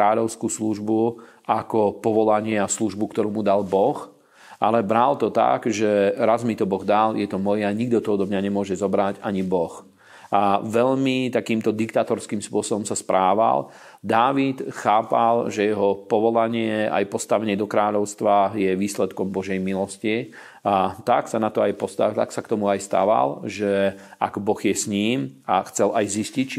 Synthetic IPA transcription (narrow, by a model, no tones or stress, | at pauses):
aːʎɔʊskuːsluʒbu | akɔpɔʋɔlaɲɪɛasluʒbukt̪ɔɾuːmud̪albɔx | alɛbɾalt̪ɔt̪a̰ɡʒɛɾazmit̪ɔbɔɣd̪aljɛt̪ɔmɔjaɲiɡ̚d̪ɔt̪ɔɔd̪ɔmɲaɲɛmʊɔʒɛzɔbɾaɟaɲibɔx | aʋɛʎmit̪akiːmt̪ɔd̪ikt̪aːt̪ɔɾskiːmspʊɔsɔbɔmsaspɾʔaːʋa̰l | d̪aːʋit̪xaːpalʒɛjɛɦɔpɔʋɔlaɲɪɛa̰jpɔst̪aʋɛɲɛd̪ɔkɾaːʎɔʊst̪ʋajɛʋiːslɛt̪kɔmbɔʒɛjmilɔsci | t̪aksanat̪ɔajpɔst̪a̰t̪aksakt̪ɔmuajst̪a̰ʋa̰lʒɛa̰ɡbɔɣjɛsɲiːmaxt͡sɛlʔajziscict͡ʃi